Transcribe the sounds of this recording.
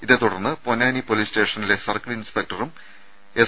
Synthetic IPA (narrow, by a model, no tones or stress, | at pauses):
iðet̪ːuɽɐrnːɨponːaːnipo̞liːste̞ːʂɐnile̞sɐrkɐɭinspek̚ʈɐrum | e̞